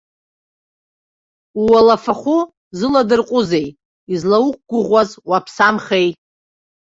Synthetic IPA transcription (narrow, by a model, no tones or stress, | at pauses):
uwalafaχʷʊ | zɨladɨrqʷʼʊze̞j | izlawuk̚ʷɡ̥ʷʊʁʷazwapʰsamχej